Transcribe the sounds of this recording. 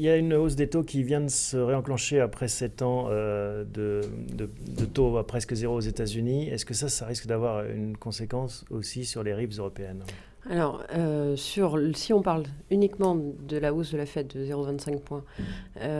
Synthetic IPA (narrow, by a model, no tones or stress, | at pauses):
iljaynos̬d̪et̪okʲivjɛ̃d̪əsəʁeɑ̃klɑ̃ʃeapχɛsɛt̪ɑ̃ød̪əd̪əd̪ət̪oapχɛskəzeʁoːzet̪azyniɛskəsasaʁiskd̪avwaʁy̰nkɔ̃sekɑ̃sosisyʁleʁivzøʁɔpeɛn | alɔʁøsyʁsiɔ̃paʁlynikmɑ̃d̪əlaosd̪əlafɛt̪̚d̪əzeʁovɛ̃t̪sɛ̃k̚pwɛ̃ø